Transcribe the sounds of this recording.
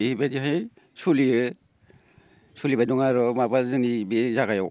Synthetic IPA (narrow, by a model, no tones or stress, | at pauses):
badiɦɯj | suliɯ | sulibadɔŋaɾɔmabazɯŋnibizaɡajɔw